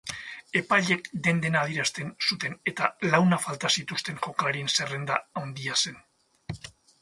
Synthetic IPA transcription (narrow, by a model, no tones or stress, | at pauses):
e̞pajʎe̞kd̪e̞nd̪e̞naːð̞jeɾast̪e̞nsut̪e̞ne̞t̪alawnafalt̪asit̪ust̪e̞nʝo̞kaɾie̞nse̞re̞nd̪aawnd̪iase̞n